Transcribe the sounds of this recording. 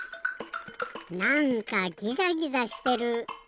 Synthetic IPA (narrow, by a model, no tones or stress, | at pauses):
nãŋkaɡʲizaɡʲizaɕi̥t̪e̞ɾɯ̟